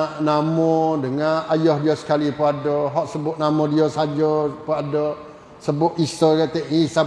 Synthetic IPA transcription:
namɔdəŋanajɔhdiɔsə̥kalipəadɔɦɔʔsəbʊʔnamɔdiɔsad͡ʒɔpəadɔ | səbʊʔisɔɾat̪ɛʔisa

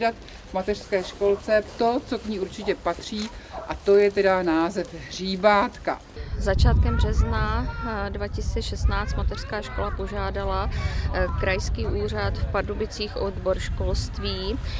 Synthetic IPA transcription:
dat̪ | vmat̪ɛr̥skɛːʃko̞lt͡sɛt̪o̞t͡so̞kɲiːuɾt͡ʃɪcɛpat̪r̝̥iːʔat̪o̞jɛt̪ɛdanaːzɛfɦriːbaːt̪ka̰ | zat͡ʃaːt̪̚kɛmbrɛznadvacɪsit͡sɛʃɛst̪naːt͡st̪mat̪ɛr̥skaːʃkolapo̞ʒaːdala | kɾajskiːuːr̝at̪fpadobɪt͡siːxʔodboɾʃkolst̪viː

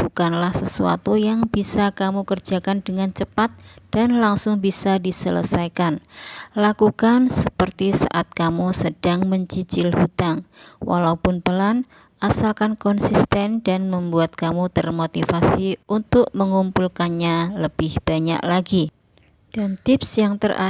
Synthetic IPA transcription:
b̥ukanlahsəsua̰t̪ujaŋbisakamukərd͡ʒakandəŋant͡ʃəpat̪̚d̥anlaŋsʊŋbisadisələ̰sajkanlakukansəpərt̪isa̰ʔat̪̚kamusəd̥aŋməɲt͡ʃit͡ʃɪlhut̪aŋwʔa̰laupʊnpəlan | ʔasalkankɔnsist̪ɛndanməmbuat̪̚kamut̪ərmot̪ifasiunt̪ʊk̚məŋumpulkanɲaləb̥ɪhb̥aɲa̰ʔlaɡi | d̥ant̪ɪpsjaŋt̪əra̰

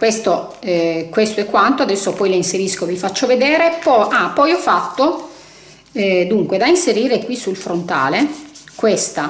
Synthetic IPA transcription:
kwest̪o | ɛkwest̪oɛkːwant̪oad̪ɛsːopɔjleinseɾiskovifat͡ʃːoved̪ɛːɾepɔʔapːɔjɔfːat̪ːo | ɛd̪uŋkwed̪ainseɾiːɾekwisulfɾont̪a̰ːlekwest̪a

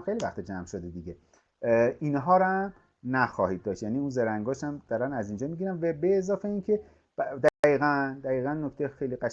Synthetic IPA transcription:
xejlivæxt̪id͡ʒæmʃod̪ed̪iɟe | inɦɒːɾæm | næxɒːhid̪̚ːɒːʃt̪jæniunzeɾæŋɡɒːʃæmd̪̥ɒɾænæzind͡ʒɒːmiɡiɾænvæbeːzɒːfeinkʰe̞ | d̪æɣiːɣænd̪æɣiːɣænːokʰt̪ʰejexejliɢæʃ

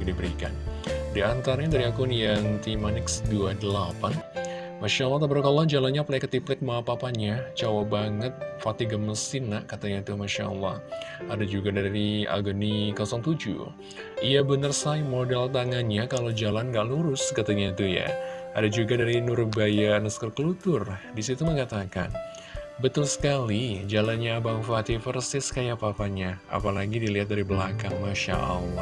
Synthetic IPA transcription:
dibəɾika̰ndiant̪aɾaɲat̪əɾiakʊnjaŋt̪imanɪksduadəlapan | maʃalːɑht̪apəɾkalːɔd͡ʒalanɲaplakət̪iplɛk̚maapapaɲat͡ʃawabaŋət̪̚fat̪iɡaməsɪnːakat̪aɲat̪uhmaʃa̰ʔə̰lːɔ̰hadad͡ʒuɡadaɾia̰ɡənikɔsɔŋt̪ud͡ʒṵ | iabənərsajmodɛlt̪aŋanɲakalawd͡ʒalanŋɡaʔluɾʊskat̪aɲat̪uja̰adad͡ʒuɡadaɾinuɾubajanəskərkəlut̪ʊrdisit̪uməŋat̪aka̰n | bət̪ʊlsə̥kalid͡ʒalanɲabaŋfat̪ifərsɪskajapaːpaɲaa̰palaɡidiliɦat̪̚daɾibəlakaŋmaʃa̰ʔɑ̰lːɑ

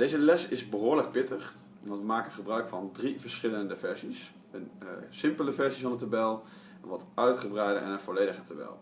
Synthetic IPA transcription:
d̥ejzəlɛsɪzbəɦʊːɹlək̚pɪtəχ | ʋɑntʋəmaːkənχəbrœɥkfɑndrivəɹsχɪləndəvɛɹzis | ənsɪmpələvɛɹzifɑnətabɛlˠ | nʋɑtœɥtχəbrɛjdə̰ʔɛ̰nənvɔlejdəχətabɛ̰lˠ

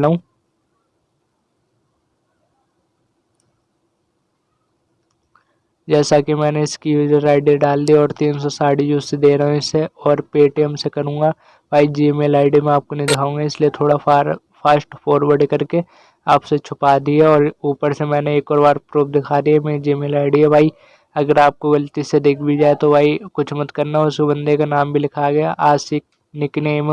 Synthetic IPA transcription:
lɦũː | d͡ʒɛːsakimɛ̃ːneɪskijuːd͡ʒəɾaːɪɖiɖaːld̪iɔːɾt̪iːnsɔsaːɽid͡ʒuːssed̪eːɾɐɦẽɪseɔːɾpeːʈːəmsekɐɾũːŋɡa | baːid͡ʒiːemelaːɪɖimẽaːp̚konɐid̪ɪkʰaːũːŋɡaɪsliet̪ʰoːɽa | paːsʈpoːɾʋəɾɖkɐɾke | aːpset͡ʃʰʊpad̪ieɔːɾuːpəɾsemɛ̃ːneeːkɔːɾbaːɾpɾoːpʰd̪ɪkʰaːd̪iɛmɛ̃ːd͡ʒiːemeːlaːɪɖiɦɛbʱaːi | ɐɡəɾaːp̚koʋɐlt̪ised̪eːkʰbid͡ʒaːet̪obʱaːikʊt͡ʃʰmɐt̪kɐɾnaʊskobɐ̃nd̪ekanaːmbʱilɪkʰaɡɐjaʔaːsɪk̚ | nɪknemẽ

